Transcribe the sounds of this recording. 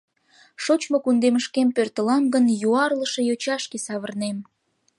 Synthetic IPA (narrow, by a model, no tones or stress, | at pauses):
ʃot͡ɕmokund̪eməʃkempørt̪əlɑmɡənjuɑrləʃe̽jot͡ɕɑʃkesɑβərnem